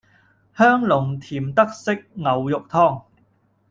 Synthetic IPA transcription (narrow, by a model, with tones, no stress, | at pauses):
hœː˥ŋlʊ˨˩ŋt̪ʰiː˨˩mt̪ɐ˥k̚sɪ˥k̚ŋɐ˨wjʊ˨k̚t̪ʰɔː˥ŋ